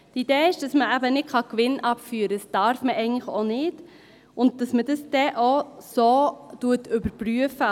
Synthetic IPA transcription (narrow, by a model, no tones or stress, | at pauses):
tid̥eːɪʃd̥ɑsməæbənɪtχɑkʋɪnʔɑpfyːɾəsd̥ɑɾfməʔɛɪɡŋ̩tləχo̰nɪd̥ | ʔʊnd̚d̥ɑsməd̥əsd̥ɛʔosoːtuətʏbəɾpɾyəfə